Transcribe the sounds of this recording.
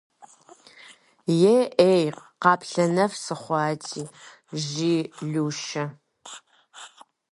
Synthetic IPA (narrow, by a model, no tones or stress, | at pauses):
jeʔeːjqɑːpɬɐnɐvsɨχʷɑːtʰiː | ʒiːɮuːʃɐ